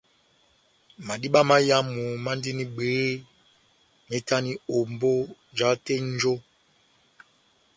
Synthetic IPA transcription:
ma˨di˦ɓa˦ma˦ja˦mu˨ma˦ndi˦ni˦ɡ͡beː˨˦ | me˨˦ta˦ni˦o˨mbo˦ | d͡ʒa˨˦te˦n˦d͡ʒo˦

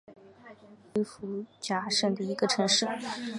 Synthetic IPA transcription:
i˧˥fu˧˥t͡ɕja˧˥ʂə˥˩d̪ə˩i˧˥ɡə˧ʈ͡ʂʰɤ˧˥ŋʂɻ̩˥˩

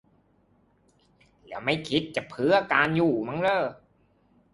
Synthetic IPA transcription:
lɛː˦˥wma˥˩jkʰi˦˥t̪̚t͡ɕa˨˩pʰɯ˨˥ɐkaː˧njuː˨˩ma˧˥ŋɾɤː˧˩

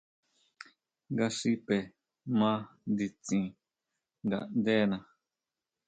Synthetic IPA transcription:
ŋɡa˧ʂi˦pe˨ | mã˦nd̪i˧t͡sĩ˧ | ŋɡa˨nd̪e˦nã˨

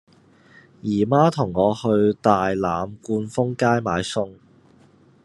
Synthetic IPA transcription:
jiː˨˩maː˥t̪ʰʊ˨˩ŋːɔː˨˧hɵ˧ɥt̪aː˨jlaː˨mkuː˧nfʊ˥ŋkaː˥jmaː˨˧jsʊ˥ŋ

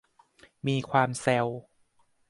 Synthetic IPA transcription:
miː˧kʰwaː˧msɛ˧w

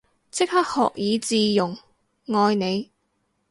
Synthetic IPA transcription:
t͡sʰɪ˥k̚hɐ˥k̚hɔ̰ː˨k̚jiː˨˧t͡siː˨˧jʊ˨˩ŋ | ŋɔː˧jne˨˧j

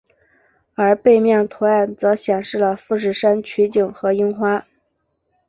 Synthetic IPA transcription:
ə˞˧˥pe˥˧ɪmjɛ˥˩ŋt̪ʰo˧˥a˥˩nt͡sɤ˧˥ɕjɛ˨˩ŋʂɻ̩˥˩lə˩fu˥˧ʂ̬ɻ̩˥˩ʂa˥nt͡ɕʰy˧˥t͡ɕi˨˩ŋxɤ˧˥i˥ŋxwa˥

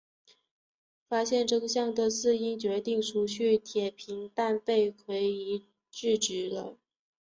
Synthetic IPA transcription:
fa˥ɕjɛ˥˧nʈ͡ʂɤ˥˩ɡə˩ɕjɑ˥˩ŋd̪ə˧sɹ̩˥˩i˥ŋt͡ɕɥɛ˧˥t̪i˥˩ŋʂu˧˥ɕy˥˩t̪ʰjɛ˨˩pʰi˧˥ŋt̪a˥˧npe˥˩ɪkʰwe˧˥ɪi˧˥ | t͡ɕy˥˩ʈ͡ʂ̩˧˥lə̰˧

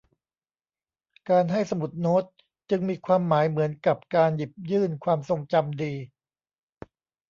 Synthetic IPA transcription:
kaː˧nɦa˥˩jsa˧mu˨˩t̪̚noː˦˥t̪̚ | t͡ɕɯ˧ŋmiː˧kʰwaː˧mːaː˩˦jmɯ˩˦ənka˨˩p̚kaː˧nji˨˩p̚jɯː˥˩nkʰwaː˧mso˧ŋt͡ɕa˧mdiː˧

